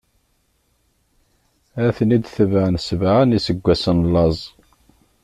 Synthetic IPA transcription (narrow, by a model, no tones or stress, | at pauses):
æθnid̪θəvəʕənsəvʕanisəɡʷːæsənlɑzˤ